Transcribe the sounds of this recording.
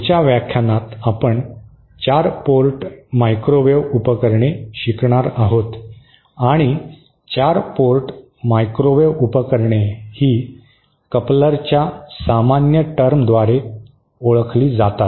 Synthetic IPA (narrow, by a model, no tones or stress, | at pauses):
t͡ɕjaʋjakʰjanat̪apəɳ | t͡ɕaɾpoɾʈmajkɾoʋeʋupəkəɾɳeɕikɳ̃aɾaɦot̪ | aɽ̃i | t͡ɕaɾpoɾʈ | majkɾoʋeʋupəkəɾɳehiː | kəpləɾt͡ɕjasamanjəʈəɾmd̪ʋaɾe | oɭkʰliːd͡zat̪at̪